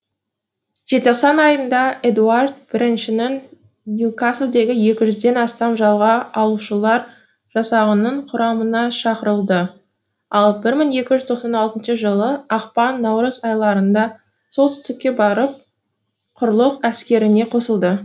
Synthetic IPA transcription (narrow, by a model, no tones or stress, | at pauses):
ʒ̥e̞t̪oqsɑnɑjənd̪ɑe̞d̪uard̪b̥ɪɾɪnʃɪnɪŋ | nʲjukaslˠd̪e̞ɡʲɪje̞kʲɪʒʏzd̪e̞nɑst̪ɑmʒɑlˠʁɑɑlˠuʃəlˠɑɾ | ʒ̥ɑsɑʁənəɴqʰʊɾɑmənɑʃɑqəɾəlˠd̪ə | ɑlˠbɪɾməŋje̞kʲɪʒʏzt̪ʰo̞qsɑnɑlˠt̪ənʃəʒəlˠəɑqpɑnːɑwɾəzɑjlˠɑɾənd̪ɑ | solt̪ʰʏ̥st̪ɪkʲːe̞bɑɾəp̚ | qʰʊɾlˠəqæskʲe̞ɾɪne̞qʰo̞səlˠd̪ə